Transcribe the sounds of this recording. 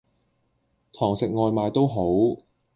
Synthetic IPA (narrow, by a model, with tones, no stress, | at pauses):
t̪ʰɔː˨˩ŋsɪ˨k̚ŋɔː˧jmaː˨˧jt̪o˥wɦo˨˥w